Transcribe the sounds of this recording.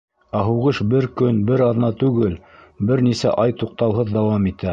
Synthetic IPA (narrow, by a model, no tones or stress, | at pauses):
æɦuʁɤʃbɘɾkɵnbɘɾɑðnɑt̪ʉɡɘl | bɘɾnisæ̰ʔɑjt̪uq̚t̪ɑwɦɤðd̪ɑwɑmit̪æ